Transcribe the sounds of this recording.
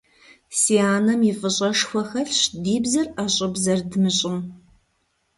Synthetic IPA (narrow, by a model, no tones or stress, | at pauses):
siːaːnɐmɪfʼɨɕʼɐʂxʷɐxɐɬɕdiːbzɐraːɕʼɪbzɐrdɨmɨɕʼɪm